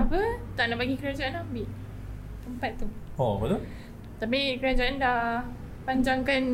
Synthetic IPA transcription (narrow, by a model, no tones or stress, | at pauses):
apət̪aʔnaʔpaɡikəɾad͡ʒaʔanlahbiʔ | təmpat̪̚ːu | opət̪o | t̪apikəɾad͡ʒaʔandah | paɲd͡ʒaŋkan